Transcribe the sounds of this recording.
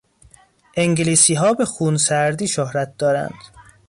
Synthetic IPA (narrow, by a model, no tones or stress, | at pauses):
ʔeŋɟeliːsiːɦɒːbe̞xuːnsæɾd̪iːʃohɾæt̪̚d̪ɒːɾæ̰nd̪̥